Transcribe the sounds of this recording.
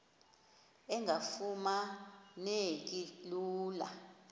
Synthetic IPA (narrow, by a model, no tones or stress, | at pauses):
ɛŋʱafumanek̬ʼiluːla̰